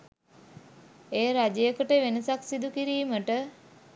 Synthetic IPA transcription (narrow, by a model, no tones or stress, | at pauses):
eːɾad͡ʒejəkəʈəʋenəsaksid̪ukiɾiːməʈə